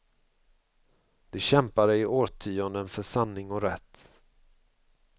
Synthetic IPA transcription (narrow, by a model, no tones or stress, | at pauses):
d̪̥ɛɕɛmpaɖɛɪoːtʰyːɔnd̪ənfœʂanːɪŋɔɾɛt̪ː